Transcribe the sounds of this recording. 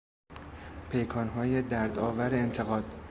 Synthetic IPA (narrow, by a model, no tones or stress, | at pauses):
pʰe̞jkʰɒːnɦɒːjed̪æɾd̪ɒ̰ːvæɾeːnt̪ʰe̞ɣɒːd̪̥